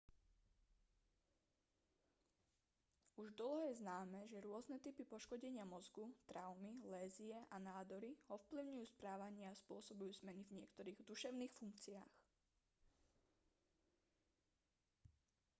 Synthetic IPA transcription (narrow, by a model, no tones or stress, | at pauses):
uʒd̪l̩ˠɦɔjɛznaːmɛʒɛɾʊɔznɛt̪ipipɔʃkɔɟɛɲɪamɔzɡut̪ɾaʊmilɛːziɛʔanaːd̪ɔɾiɔfpliʊɲujuːspɾaːʋaɲɪaːspʊɔsɔbujuːzmɛnivɲɪɛkt̪ɔɾiːɣd̪uʃɛʊniːxfuŋk̚t͡siaːx